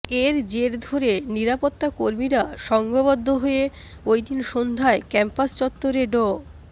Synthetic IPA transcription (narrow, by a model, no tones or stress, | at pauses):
eɾd͡ʑeɾd̪ʱoɾeniɾapot̪ːakoɾmiɾaʃɔŋɡoβod̪ʱːoɦoe | ojd̪inʃond̪ʱaekɛmpast͡ɕɔt̪ːoɾeɖo